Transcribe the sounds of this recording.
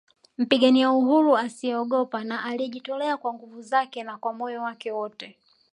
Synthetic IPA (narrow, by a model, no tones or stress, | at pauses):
m̩piɠaniauɦuɾuasiɛɔɠɔpanaʔaliʄitɔlɛakwaŋɡuvuzakɛnakwamɔjɔwakɛwɔtɛ